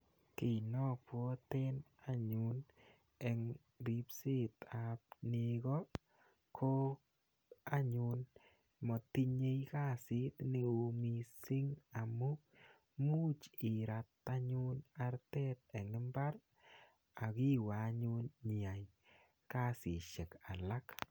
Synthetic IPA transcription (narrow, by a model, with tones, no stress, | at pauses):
ke˨nɔ˦pwɔ˦te˦n | a˦ɲʊ˨n | ɛ˨ŋ | ɾi˦psɪ˦t̪a˨p̚ne˧kɔ˦ | kʰo˦ | a˦ɲʊ˨n | mɔ˨ti˦ɲe˦jka˦sɪ˦tne˨o˨mi˨sɪ˦ŋa˨mʊ˦ | mu˦t͡ʃɪ˨ɾa˨ta˦ɲʊ˦na˨˧ɾtɛ˦t̪e˨ŋɪ˦mba˦ɾ | a˨ki˦wa˨˦ɲu˦nɲi˨a˨j | ka˦sɪ˨ʃe˨ka˨la˦k